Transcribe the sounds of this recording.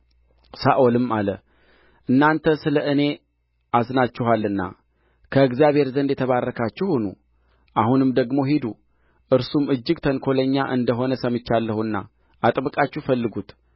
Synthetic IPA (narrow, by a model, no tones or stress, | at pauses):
saʔolɨmalə | ʔɨnːant̪ʰəsɨləʔɨne̞ | ʔasnat͡ʃːɪɦalːɨnːa̰ | kʰəɨɡzjaβhe̞ɾzənd̪jɛt̪ʰəβarːəkʰat͡ʃːɛhunṵ | ʔahunɨmd̪əɡmo̞ɦid̪u | ʔɨɾsumɨd͡ʒːɪɡt̪ʰənkʰo̞ləɲːaʔɨnd̪əɦo̞nəsəmɨt͡ʃːalːəhuɨnːa̰ | at̪ʼbɨkʼat͡ʃːufəlːɨɡut̪